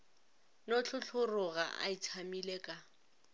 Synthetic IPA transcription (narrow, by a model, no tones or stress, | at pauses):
not͡ɬʰʊɬʰʊrʊɣa̰a̰it͡sʰamileːkʼa